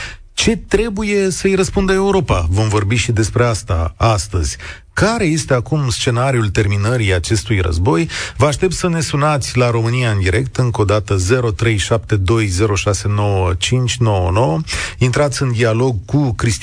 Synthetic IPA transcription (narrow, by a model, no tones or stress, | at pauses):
t͡ʃe̞t̪ɾe̞buje̞səɨjɾəspund̪əe̞uɾo̞pavo̞mvo̞rbiʃid̪e̞spɾe̞ast̪a̰ast̪əz̥ʲ | kaɾe̞je̞st̪e̞akumst͡ʃe̞naɾiult̪e̞rminəɾiat͡ʃe̞st̪ujrə̰zbo̞jvəaʃt̪e̞p̚t̪səne̞sunat̪sʲlaɾo̞mɨniaɨnd̪iɾe̞kt̪ɨŋko̞d̪at̪əze̞ɾo̞t̪ɾe̞jʃap̚t̪e̞d̪o̞jze̞ɾo̞ʃase̞no̞wət͡ʃint͡ʃʲno̞wəno̞wəint̪ɾat̪sʲɨnd̪ialo̞ɡkukɾist̪